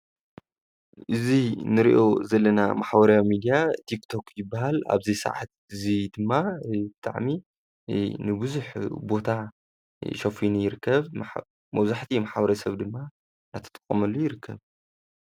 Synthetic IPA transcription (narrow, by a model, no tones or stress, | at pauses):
ʔɨzinɨɾiʔo̞zɐlːɐna̰maħbɐɾjawimid̪ijat̪ʰikt̪ʰo̞kjɪbːaɦala̰βzisɐ̰ʕa̰t̪̚ | ɨzid̪ɨmːabɨt̪ʼa̰ʕmi | nɨbɨzuħbo̞t̪ʰa | ʃɐfinijɪɾɨkːɐβ | mɐβzaħt̪ʰimaħbɐɾɐsɐβd̪ɨmːa | nat̪ʰɐ̥t̪ʼɐ̥kʼːɐmɐlːojɪɾɨkʰːɐβ